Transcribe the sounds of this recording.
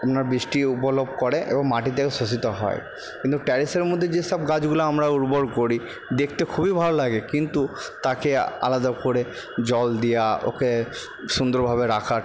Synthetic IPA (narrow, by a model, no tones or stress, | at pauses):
apnaɾbɾiʃʈiupolobʱkoɾeʔḛboŋmaʈit̪̬ekeʃos̬it̪oɦɔ̰e | kint̪uʈɛɾiseɾmod̪ʱːed͡ʑeʃɔb̚ɡad͡ʑɡulaamɾauɾboɾkoɾi | d̪ek̚ʰt̪ekʰubibʱalolaɡekint̪ut̪akea̰lad̪akoɾe | d͡ʑɔld̪ijao̰ke | ʃund̪oɾbʱaβeɾakʰa